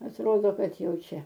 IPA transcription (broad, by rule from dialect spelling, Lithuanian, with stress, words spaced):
ɐtˈroːdoː ˈkɐt ˈjɛʊ ˈt͡ʃʲɛ